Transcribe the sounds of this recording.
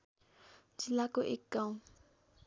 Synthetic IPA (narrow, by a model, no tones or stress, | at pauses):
d͡ʒilakɔʔɪkːaʊ